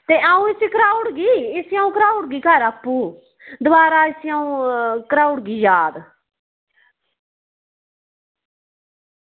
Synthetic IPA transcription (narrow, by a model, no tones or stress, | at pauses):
t̪eːʔaːũːɪsikɾaːʊɖɡiːɪsiaːũːkɾaːuɽɡiːkəɾapːũː | d̪ʊaːɾaːɪsiaũːkɾaːuɽɡiːjaːd̪